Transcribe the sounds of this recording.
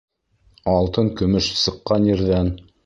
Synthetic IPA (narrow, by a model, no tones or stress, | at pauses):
ɑlˠt̪ɤŋkɵ̆mɵʃsɤ̆qːɑnjɘ̆ɾðæn